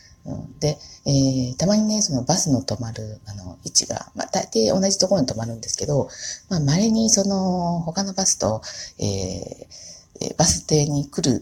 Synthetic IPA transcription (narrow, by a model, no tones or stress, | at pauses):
ɯ̟̰̃d̪e̞eːt̪amaɲ̟ine̞so̞no̞basɨno̞t̪o̞maɾɯ̟ano̞̰it͡ɕḭɡa̰ma̰d̪̥ait̪aio̞̰naʑit̪oko̞ɾo̞ɲ̟it̪o̞maɾɯ̟̃nd̪esɨ̥ke̞d̪o̞mamaɾeɲ̟iso̞no̞ho̞kano̞basɨ̥t̪o̞e̞̰ː | b̥asɨ̥t̪e̞ːɲ̟ikɯ̟ɾɯ̟